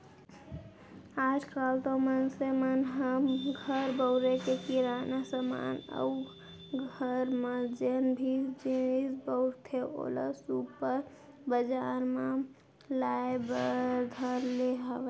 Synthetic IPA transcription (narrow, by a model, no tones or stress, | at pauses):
ad͡ʒkalt̪omənsemənɦəmɡʱəɾbəʊɾekekiɾaːnasəma̰nə̰u | ɡʱəɾmed͡ʒenbʱid͡ʒisbəʊɾt̪ʰeʔo̰lə̰supəɾ | bəd͡ʒaːɾme | laebəd̪ʱəɾleɦəʋe